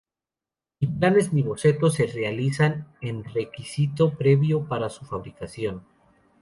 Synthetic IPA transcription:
iplane̞zniβo̞se̞t̪o̞se̞realisane̞nre̞kisit̪o̞pɾe̞βjo̞paɾasufaβ̞ɾikasjo̞n

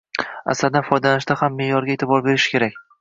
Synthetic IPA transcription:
a̰slad̪anfɒjd̪alanɪʃt̪ahamːe̞jɒɾɡʲaet̪ʰɪbɒɾbe̞ɾɪʃɪ̥kʲʰe̞ɾakʲ

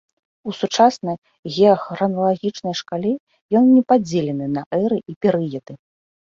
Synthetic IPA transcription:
usut͡ʂasnɐj | ɣʲɛɐxrɐnɐlˠaɣʲit͡ʂnɐjʂkalʲɛ | jɔnnʲɛpad͡zʲelʲɛnɨnɐʔɛɾɨʔipʲɛɾɨjɐd̪ɨ

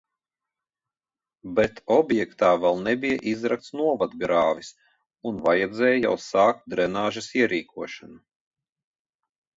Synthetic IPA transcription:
bɛt̪ʰɔbjɛkt̪aːvɛlˠnɛbijaʔizɾak̚t̪snuɔvad̪ɡɾaːvʲis | unvajɛd̪zɛːjja̰wsaːk̚t̪̚d̪ɾɛnaːʒɐsiɛɾiːkʰuɔʃanu

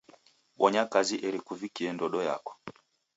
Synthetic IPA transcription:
wʔɔɲakaziʔɛɾikuvikiɛndɔɗɔja̰kɔ̥

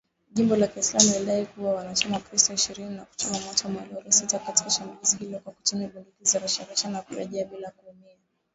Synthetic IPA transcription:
ʄimbɔlakiːslamualiɗaikuwawanat͡ʃamakɾistɔiʃiɾininaku̥t͡ʃumamwatɔmwalɔɾɔsitakati̥kaʃambulizihilɔkwaku̥tumiɓulikizaɾuʃaɾuʃanakuɾɛ̰ʄiaɓilakuumia

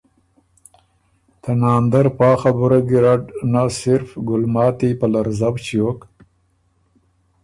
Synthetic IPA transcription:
t̪ʰanɑːnd̪aɾpɑːxabuɾaɡiɾaʈnasɪɾfɡʊlmɑːt̪ipalaɾzabt͡ʃijok

